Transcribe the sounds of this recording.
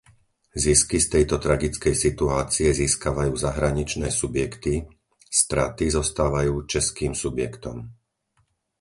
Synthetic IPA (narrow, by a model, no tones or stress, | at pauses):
ziskist̪ɛjt̪ɔt̪ɾaɡit͡skɛjsit̪uaːt͡siɛziːskaʋajuːzaɦɾaɲit͡ʃnɛːsubjɛkt̪i | st̪ɾat̪izɔst̪aːʋajuːt͡ʃɛskiːmsubjɛkt̪ɔm